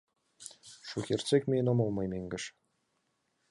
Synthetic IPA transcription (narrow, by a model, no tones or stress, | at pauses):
ʃuxʲert͡sekʲmʲenŏmɤlˠmɑjmʲeŋʲɡʲɘ̆ʃ